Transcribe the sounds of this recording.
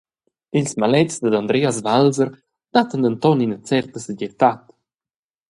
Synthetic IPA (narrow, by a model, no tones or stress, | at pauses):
ilsmalɛtt͡sd̪əd̪and̪ɾɛasvalzəɾ | d̪̥at̪ənd̪ənt̪ɔninət͡sɛrt̪əsəɟɛt̪at̪